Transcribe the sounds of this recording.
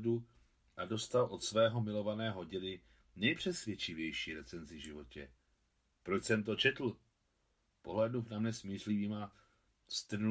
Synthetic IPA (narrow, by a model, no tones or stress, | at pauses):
du | ʔado̞st̪alʔo̞t̪svɛːɦo̞mɪlovanɛːɦo̞ɟɪnɪ | nɛjpr̝̥ɛsvʲjɛt͡ʃɪvjɛjʃiːɾɛt͡sɛnzɪvʒɪvo̞cɛ | pɾot͡ʃsɛmt̪o̞t͡ʃɛt̪l̩ | po̞ɦlɛduvnamɲɛsmiːrliviːma | st̪r̩n